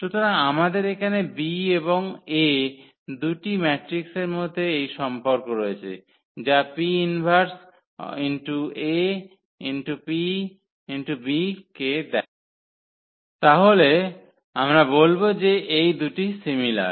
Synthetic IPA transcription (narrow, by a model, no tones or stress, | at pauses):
ʃut̪ʰoɾaŋamad̪eɾekʰanebieboŋe | d̪uʈimɛʈɾikseɾmod̪ʱːeejʃɔmpoɾkoɾoet͡ɕʰḛ | d͡ʑapiinbʱaɾs | inʈue | inʈupi | inʈubiked̪ɛ | t̪aɦole | amɾabolbod͡ʑeʔejd̪uʈisimila̰ɾ